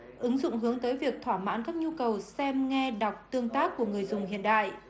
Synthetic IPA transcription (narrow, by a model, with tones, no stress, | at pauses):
ʔɨ˨˦ŋzʊ̰˧˨ŋ͡mɦɨ˨˦əŋt̪əː˨˦jvi˨˩ək̚t̪ʰwaː˧˩ma̰ː˧˥nkaː˦˥k̚ɲu˧kə˨˩wsɛ˧mŋɛ˧ɗa˨˩wk͡p̚t̪ɨ˧əŋt̪aː˦˥kːu˧˩əŋɨ˨˩əjzʊ˨˩ŋ͡mhḭ˧˨ənɗa̰ː˧˨jʔ